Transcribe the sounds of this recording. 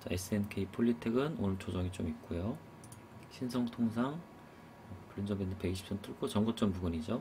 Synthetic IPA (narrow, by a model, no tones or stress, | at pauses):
t͡ɕ͈ʌes͈ʰɯenkʰeipʰoɭːitʰeɡɯno̰nɯnt͡ɕʰod͡ʑʌŋit͡ɕ͈omik̚k͈ujo | ɕʰins̬ʰʌŋtʰoŋs̬ʰaŋ | ʌpuɭːind͡ʑʌmbendɯpe̞ɡiɕʰi̥p̚s͈ʰʌntʰuɭkʰot͡ɕʌŋɡot͡ɕ͈ʌmpuɡuɲid͡ʑo